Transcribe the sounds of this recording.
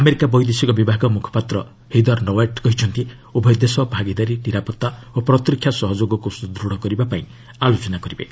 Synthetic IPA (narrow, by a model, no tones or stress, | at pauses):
ameɾikabɔjd̪esikɔbibʱaɡɔmukʰɔ̥pat̪ɾɔ | hid̪ɔɾnoweʈkɔɦit͡ʃʰɔnt̪i | ubʱɔjd̪esɔbʱaɡid̪aɾiniɾapɔt̪ːaopɾɔt̪ɾikʰːjasɔɦɔd͡ʒoɡɔkusud̪ɾuɽ̤ɔkɔɾibapaĩ | alot͡ʃɔnakɔɾibḛ